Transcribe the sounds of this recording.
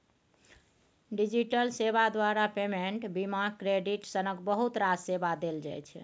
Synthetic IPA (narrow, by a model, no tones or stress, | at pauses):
ɖid͡ʒiʈəlseβad̪waɾapemeɳʈbimakɾeɖiʈsənəkbəɦut̪ɾad͡ʒsebad̪eld͡ʒa̰jt͡ʃʰ